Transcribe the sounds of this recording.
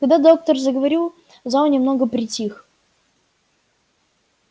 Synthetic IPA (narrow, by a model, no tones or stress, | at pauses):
kɐɡd̪ad̪o̞k̚t̪ərzəɡəvɐɾʲilˠ | zawnʲɪmnoɡəpɾʲɪtʲix